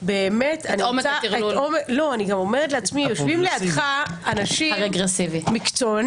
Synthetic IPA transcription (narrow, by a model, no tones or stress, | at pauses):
be̞ːmet̪aniomeaiuomelo̞aniɡamo̞meʁet̪leat͡smijoʃvimliad̪χaanaʃiʁeɡʁesivimikt͡son